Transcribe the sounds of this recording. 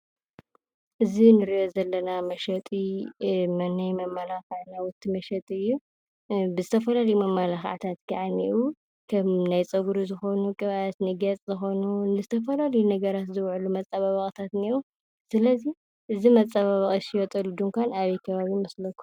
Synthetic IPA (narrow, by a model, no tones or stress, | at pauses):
ʔɨzinɨɾiʔozɐlːɐnamɐʃɐt̪ʼimɐnajmɐmːalaxʕnawʊt̪ʰːimɐʃɐt̪ʼiɨjːu | bɨzɨt̪ʰɐfɐlalɐjumɐmːalaxʕt̪ʰat̪ɡaʕaniʔu | kʰɐmnajt͡sʼɐɡuɾuzɨxonukʼɨβajat̪nɨɡɐt͡sʼzɨxo̞nunɨzɨt̪ʰɐfɐlalɐjunɐɡɐɾat̪zɨwʕulumɐt͡sʼːaβaβɐkʼt̪ʰat̪niɾu | sɨlɐzi | ʔɨzimɐt͡sʼːaβaβɐχʼisijot̪ʼɐlud̪uŋkʷʰanaβijkʰɐβaβimɐslɐkʰːu̥